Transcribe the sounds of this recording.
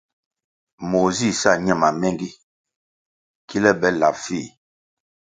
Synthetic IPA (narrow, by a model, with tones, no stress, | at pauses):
mo˨zi˦˨sa˦˨ɲɛ˦˨ma˨mɛ˦ŋɡi˦ | ki˦lɛ˦bɛ˦la˨pfi˦˨